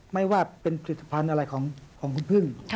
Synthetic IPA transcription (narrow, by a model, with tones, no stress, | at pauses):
ma˥˩jwaː˥˩pe˧npʰa˧li˧˩t̪ʰːḁ˧˩pʰa˧nʔa˧ɾa˧jkʰɔː˩˦ŋkʰɔː˩˦ŋkʰu˧npʰɯ˥˩ŋ